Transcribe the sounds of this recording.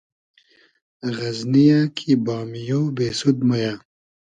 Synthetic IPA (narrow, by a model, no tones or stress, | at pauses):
ɣɐznijaːkʰibaːmijobeːsud̪majaː